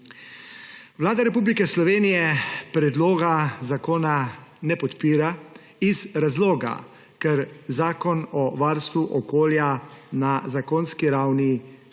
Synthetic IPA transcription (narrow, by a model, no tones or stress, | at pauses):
ʋlaːd̪aɾɛpuːblikɛslɔʋeːnijɛpɾɛd̪loːɡazakoːnanɛpɔt̪piːɾa | izɾazloːɡa̰ | kɛɾzaːkɔnɔʋaɾst̪ʋuʔɔkoːljanazakoːnskiɾawni